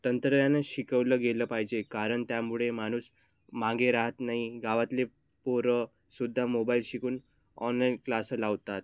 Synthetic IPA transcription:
t̪ənt̪ɾəjanəɕikəʋləːɡeləːpaɦid͡ʑekaɾəɳt̪jamuɭemaɽ̃uːs | mãŋɡeɾaɦət̪naɦiɡaʋat̪le | poɾə | sud̪ʱːamobailɕikuːn | ɔnlainklasəlaʋt̪at̪̚

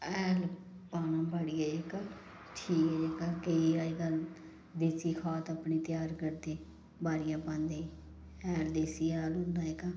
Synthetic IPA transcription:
ɛːl | paːnãːbaɽiːɛːeka | ʈʰiːkɛekakəiaːiːɡəl | d̪eːsiːkʰaːt̪əpniːt̪ɪjaːɾkəɾd̪eː | baːɾɪjãːpãːnd̪eː | ɛːld̪eːsiːaːlɦʊ̃nd̪aːekaː

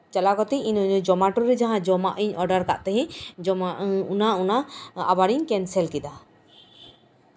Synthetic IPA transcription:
t͡ʃalakɔt̪ɛinuɲud͡ʒɔmaʈuɾɛd͡ʒaɦãd͡ʒɔmaʔiɲɔɖaɾka̰ʔt̪ɛɦɛ̃d͡ʒɔmaunaunaa̰baɾiɲkɛnsɛlkid̪a

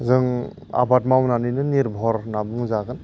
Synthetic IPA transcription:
zɯŋ | a̰bat̚mawnanɯjnɯniɾbʱɔɾnabɯŋzaɡɯn

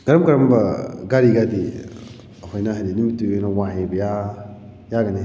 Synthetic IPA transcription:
ɡ̥ɐɾɐmɡɐɾɐmbaɡaɾiɡadi | afanaɦininimituenawãɦẽbɐja | jaɡane

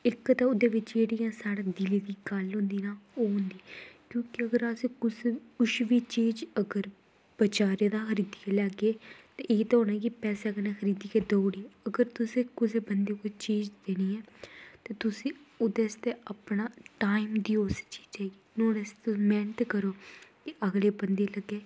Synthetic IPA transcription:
ɪkːt̪ãːʊd̪eːʋɪt͡ʃd͡ʒeːɽijãːsaːɽaːd̪ɪliːd̪iːɡəlɦʊ̃nd̪iːnaːoːɦʊ̃nd̪iːkjõːkɪəɡəɾasekʊskʊʃʋiːt͡ʃiːd͡ʒəɡəɾ | b̥ət͡ʃaːɾed̪aːxəɾiːd̪ikaːlɛːɡeːt̪eːʔeːt̪ːoːnaːɛːkipɛːsɛːɡəɾneːxəɾiːd̪iːked̪oːɽiːəɡəɾt̪ʊsẽːkʊseːbənd̪eːkot͡ʃeːd͡ʒd̪eːniːɛːt̪eːt̪ʊsĩːʊd̪eːst̪eːapnaːʈaːimd̪iːʊst͡ʃi̥ːd͡ʒɛːɡiːnõːneːset̪ʊsmɛːɳʈ̪kəɾoːkeʔəɡleːbənd̪eːləɡeː

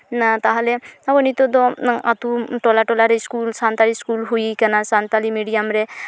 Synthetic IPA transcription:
t̪aɦleabɔnit̪ɔd̪ɔat̪uʈɔlaʈɔlaɾeiskulsant̪aliskulɦuikɐnasant̪alimiɽijamɾe

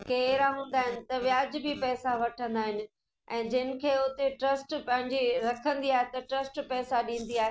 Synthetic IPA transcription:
keːɾaɦũːn̆d̪aːɦɪnɪ̆t̪ɐʋjaːd͡ʑbɪpɛːsaʋɐʈʰə̃nd̪aːɦɪnɪ̆ | ɛ̃ːd͡ʑɪnɪ̆kʰeːʊt̪eʈɾɐsʈpɐ̃ɦɪ̃ɲd͡ʑiɾɐkʰə̃nd̪iaːɦet̪ɐʈɾɐsʈpɛːsaɗĩːn̆d̪iaːɦe

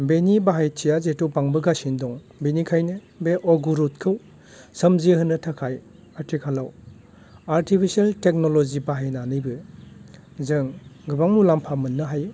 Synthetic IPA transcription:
benibaɦajtʰijazetupaŋbɯɡasindɔŋ | benikʰajnɯ | beʔɔɡuɾut̚kʰɯw | sɐmziɦɯnːɯtʰakʰaj | atʰikʰalaw | aɾtipʰisialtek̚nolozibaɦajnanɯjbɯ | zɯŋɡɯbaŋmulampʰamɯnːɯɦaj

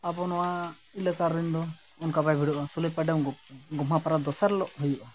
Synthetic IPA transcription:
apɔnɔwa | iləkaɾːind̪ɔ | ɔnkabajbʱiɽɔʔɔsuləjpaɖɛɡɡɔmɦapaɾad̪ɔsaɾlɔʔhujɔʔɔ

